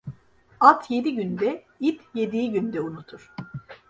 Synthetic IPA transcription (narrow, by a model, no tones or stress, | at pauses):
alˠt̪ʰje̞d̪iɟynd̪ɛ | it̪je̞d̪ijiɟynd̪ɛunut̪ʰuɾ̥